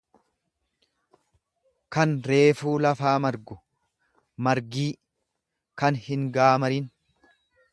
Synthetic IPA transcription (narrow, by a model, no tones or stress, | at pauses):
kɐnɾe̞ːfuːlɐfaːmɐɾɡʊ | mɐɾɡiː | kɐnhɪŋɡaːmɐɾin